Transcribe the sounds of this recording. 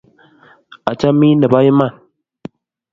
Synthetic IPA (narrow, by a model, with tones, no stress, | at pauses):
a˨t͡ʃa˦mi˦nə˨ba˦ji˦ma˦˨n